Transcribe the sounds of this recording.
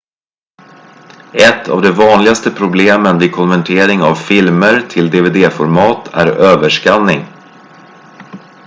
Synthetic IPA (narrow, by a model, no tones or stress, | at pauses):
ɛt̪ʰːa̰vd̪ɛvɑːnlɪɡast̪əpʰɾʊbleːmənvɪkʰɔnvɛɳʈʰeːɾɪŋavfɪlməɾt̪ʰɪld̪eːveːd̪eːfɔɾmɑːt̪ʰæ̰ɾøːvəʂkanːɪŋ